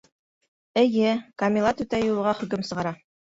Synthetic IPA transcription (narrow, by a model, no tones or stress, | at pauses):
ɘ̆jɘkɐmʲilˠɑt̪ʉt̪æjulˠɤ̆ʁɑχɵ̆kɵmsɤ̆ʁɑɾɑ